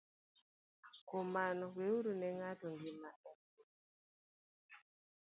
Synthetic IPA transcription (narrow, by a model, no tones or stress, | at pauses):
komanɔweuɾunɛŋatɔŋɡimaʔɛ